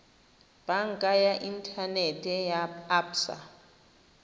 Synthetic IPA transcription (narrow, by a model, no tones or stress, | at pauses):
b̥aŋ̩kʼajaʔintʰʼanɛtʼɛjaːpsa̰